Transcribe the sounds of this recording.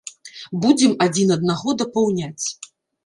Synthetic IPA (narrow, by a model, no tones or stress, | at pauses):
bud͡zʲɛmad͡zʲinɐd̪̚naɣɔd̪ɐpawnʲat͡sʲ